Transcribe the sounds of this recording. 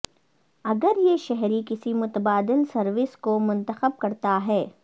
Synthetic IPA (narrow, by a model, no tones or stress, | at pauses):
ɐɡəɾjeʃɛɦɾikɪsimʊt̪əbaːd̪ɪlsɐɾʋɪskomʊ̃nt̪əxəb̚kɐɾt̪aɦɛː